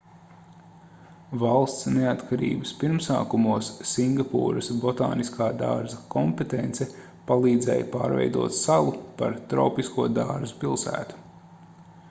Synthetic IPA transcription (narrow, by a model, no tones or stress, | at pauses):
valˠst̪sneat̪kʰaɾḭːbəspiɾmsa̰ːkumuɔsːiŋɡapṵːɾɐsbɔt̪a̰ːniskʰaːd̪a̰ːɾzɐkɔmpet̪ent̪sɛ | palˠiːd̪zɛ̰jpaːɾvɛ̰jd̪uɔt̪salˠupa̰ɾt̪ɾɔwpiskuɔd̪aːɾzupilˠsæ̰ːt̪u̥